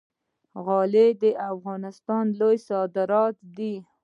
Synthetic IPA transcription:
ɣɑled̪əʔafɣɑnɪst̪ɑnlojsɑd̪ɪɾɑt̪d̪i

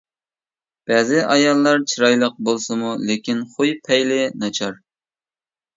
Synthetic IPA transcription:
b̥æːzɪʔɑjɑlˠːɑɾt͡ʃʰiɾɑjlˠəq̚bolˠsɨmulekʲinχʊjpʰɛjlɪnɑt͡ʃʰɑɾ

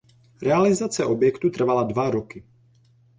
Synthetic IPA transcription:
ɾɛalizat͡sɛʔɔbjɛkt̪ut̪r̩valad̪vaɾɔki

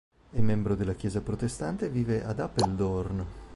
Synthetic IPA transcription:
ɛmːɛmbɾod̪elːakjɛːzapɾot̪est̪ant̪eviːveʔad̪apeld̪orn

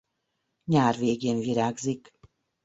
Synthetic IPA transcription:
ɲaːrveːɡeːnviɾaːɡzik

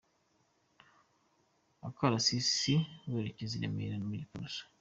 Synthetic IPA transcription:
akaɾasisiweɾeceziɾḛmḛɾanumuɟipasḁ

